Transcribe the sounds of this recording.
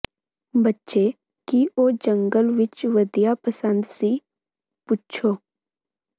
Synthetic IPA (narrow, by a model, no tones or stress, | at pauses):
bətːʃe | kiʔoːd͡ʒə̃ŋɡəlʋɪt͡ʃʋəd̪ijapəsə̃nd̪si | putːt͡ʃʰoː